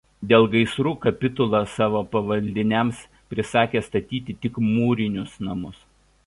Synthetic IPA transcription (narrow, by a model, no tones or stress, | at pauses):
d̪ʲeːlˠɡɐɪsɾuːkɐpʲɪt̪ʊlˠɐsɑːʋoːpɐʋɐlʲd̪ʲɪnʲɛms | pʲɾʲɪsɑːkʲeːst̪ɐt̪ʲiːt̪ʲɪt̪ʲɪkmuːɾʲɪnʲʊsnɐmʊs